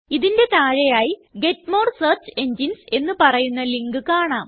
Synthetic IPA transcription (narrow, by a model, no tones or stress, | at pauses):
iðindet̪aːɻɐjaːjiɡe̞tmo̞ːrsɐːrt͡ɕe̞ɲd͡ʑinse̞nːɨpɐrɐjunːɐliŋɡɨkaːɳaːm